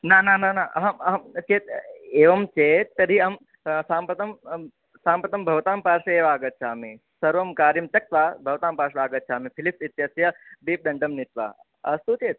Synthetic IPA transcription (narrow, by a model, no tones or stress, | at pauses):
nanananaɐɦɐt͡ʃeːt̪eːʋɐmt͡ʃeːt̪ːɐɾiɐm | saːmpɾɐt̪ɐm | saːmpɾɐt̪ɐmbʱɐʋt̪aːmpaːɾʂɐeːʋaːɡɐt̪̚t͡ʃʰaːmi | sɐɾʋɐmkaːɾjimt̪ɐk̚t̪ʋaːbʱɐʋt̪aːmpaːɾʂɐʋaːɡɐt̪̚t͡ʃʰaːmipʰilipsit̪jɐsjɐbiːp̚d̪ɐɳɖɐmnit̪ʋa̰ː | ɐst̪ut͡ʃeːt̪̚